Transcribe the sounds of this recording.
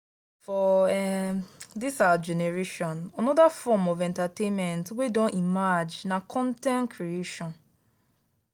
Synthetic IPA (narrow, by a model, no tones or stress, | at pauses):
fɔɛ | disawad͡ʒɛneɹeʃɔ̃nanɔdafɔmɔvɛ̃ntatẽnmɛ̃ntwedɔ̃nʔimad͡ʒnakʰɔ̃ntɛ̃nkʰɹieʃɔ̃n